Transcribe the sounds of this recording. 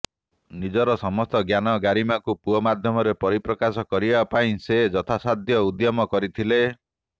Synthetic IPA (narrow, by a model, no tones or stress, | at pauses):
nid͡ʒɔɾɔsɔmɔst̪ɔɡjanɔɡaɾimakupuɔmad̪ʱjɔmɔɾepɔɾipɾɔkasɔkɔɾibapaĩsed͡ʒɔt̪ʰasad̪ʱjɔud̪jɔmɔkɔɾit̪ʰile